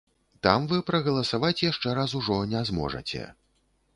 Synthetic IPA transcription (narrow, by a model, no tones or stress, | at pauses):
t̪a̰mvɨpɾɐɣɐlˠɐsavat͡sʲjaʂt͡ʂɛɾasuʐɔnʲɛzmɔ̰ʐɐ̰t͡sʲɛ̰